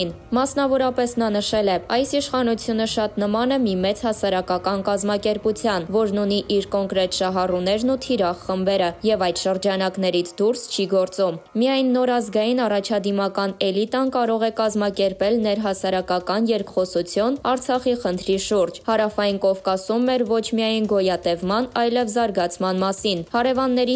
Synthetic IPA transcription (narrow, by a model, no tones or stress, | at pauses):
n | mɑsnɑvɔɾɑpɛsn̪ɑnəʃɛlɛɑjsiʃχɑnut͡sʰjunəʃɑt̪nəmɑnəmimɛt͡shɑsɑɾɑkɑkɑnkɑzmɑkɛɾput͡sʰjɑnvɔɾnuniʔiɾkɔŋkɾɛt̪ʃɑɦɑrunɛɾnut̪ʰiɾɑχːəmbɛɾəjɛvɑjt̪ʃəɾd͡ʒɑnɑknɛɾit͡sʰd̪uɾst͡ʃʰiɡɔɾt͡sumːijɑjnːɔɾɑzɡɑjinɑrɑt͡ʃʰɑd̪imɑkɑnɛlit̪ɑnkɑɾɔʁɛkɑzmɑkɛɾpɛlnɛɾɦɑsɑɾɑkɑkɑnjɛɾkχɔsut͡sʰjunɑɾt͡sʰɑχiχənt̪ʰɾiʃuɾd͡ʒhɑɾɑfɑjinkɔvkɑsumːɛɾvɔt͡ʃʰmiɑjnɡɔjɑt̪ɛvmɑnɑjlɛvzɑɾɡɑt͡sʰmɑnmɑsinhɑɾɛvɑnːɛɾi